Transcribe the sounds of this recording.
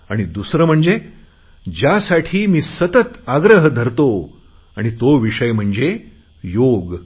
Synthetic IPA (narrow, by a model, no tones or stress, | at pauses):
aɽ̃id̪usɾəm̤əɳd͡ze | d͡ʑjasaʈʰiːmiːsət̪ət̪aɡɾəɦd̪ʱəɾt̪o | aɽ̃it̪oʋiʂəjm̤əɳd͡ze | joɡ